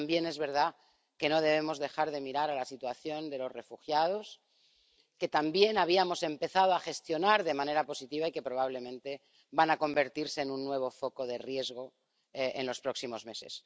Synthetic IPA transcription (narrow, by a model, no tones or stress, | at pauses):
mbje̞ne̞zβe̞ɾð̞a | ke̞no̞ð̞e̞βe̞mo̞zðe̞xaɾð̞e̞miɾaɾalasit̪waθjo̞nd̪e̞lo̞sre̞fuxjaðo̞s | ke̞t̪ambje̞naβ̞iamo̞se̞mpe̞θað̞oaxe̞st̪jo̞naɾðe̞mãne̞ɾapo̞sit̪iβaike̞pɾo̞β̞aβ̞le̞mẽnt̪e̞ | βanako̞mbe̞ɾt̪iɾse̞ːnunːwe̞β̞o̞fo̞ko̞ðerje̞zɣ̞o̞ | eʔenlo̞spɾo̞ksimo̞zme̞se̞̰s